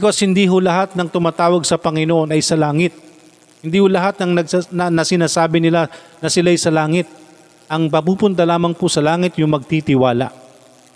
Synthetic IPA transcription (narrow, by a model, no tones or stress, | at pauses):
koshɪnd̪iːɦʊlɐɦat̪̚nɐŋt̪ʊmaːt̪aːwɐɡ̚sɐpɐŋɪnoʔo̞nʔɐjsɐlaːŋɪt̪̚ | hɪnd̪iːhʊlɐɦat̪̚nɐŋnɐɡ̚sanɐnɐsɪnaːsaːbɪnɪlanɐsɪlaːjsɐlaːŋɪt̪̚ | ʔɐŋpɐpuːpʊnt̪̬ɐlaːmɐŋpʊsɐlaːŋɪt̪jʊŋmɐɡ̚t̪it̪ɪwaːlɐ̰ʔ